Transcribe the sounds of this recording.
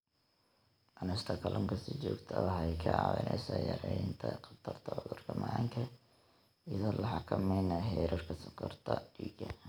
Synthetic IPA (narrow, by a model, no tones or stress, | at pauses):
ʔɐnɪst̪ʰɐkʰɐlʔɔŋkʰɐsɪt͡ʃɔːɡt̪ʰɐhɛjkʰɐʕɑ̰wɪ̰nʔɛjsajɐɾɛjnt̪ʰɐqɑt̪ʰɐrt̪ʰɐʊðʊrkʰɐmɐŋkʰɐ | iðɔlɐħɑkʰɐmɛjnɐɦɛːɾɔrkʰɐsɔkʰɔrt̪ʰɐiːɡɐ